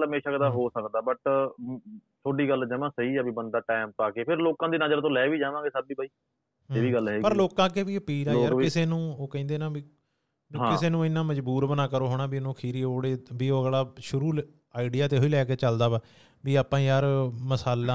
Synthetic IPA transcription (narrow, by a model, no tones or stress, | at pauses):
ləmeːʃakd̪aːɦoːsəkd̪aːbəʈ | t̪ʰoːɖiːɡəld͡ʒəʋãːsəiːɛːbiːbənd̪aːʈɛːmpaːkeːpʰɪɾloːkãːd̪iːnəd͡ʒəɾt̪õːlɛːʋiːd͡ʒaːʋãːŋɡeːsəbiːbaːiː | ɦeːʋiːɡəlɦɛːpəɾloːkãːkeːʋiːəpiːɾãːɾɪseːnũːoːkɛ̃ːnd̪eːnaːbiː | bĩkɪseːnũːɪnːãːməd͡ʒbuːɾbənaːkəɾoːɦoːɽ̃aːbiːnũːkʰiːɾiːɦoːɽeːbiːoːɭaːʃʊɾuːl | aːɪɖijaːt̪eːɦoiːlɛːkeːt͡ʃəld̪aːʋaː | biːaːpãːijaːɾməsaːlaː